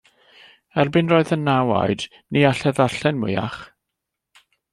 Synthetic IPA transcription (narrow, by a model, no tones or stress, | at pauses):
ɛrbɨnroːɨðənːawa̰ɨd | niaɬɛðaɬɛnmʊa̰χ